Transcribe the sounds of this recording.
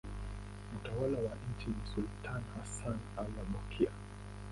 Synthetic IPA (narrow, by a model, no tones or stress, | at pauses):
utawalawaɲ̩t͡ʃinisultʰanhasanalaɓɔkʰia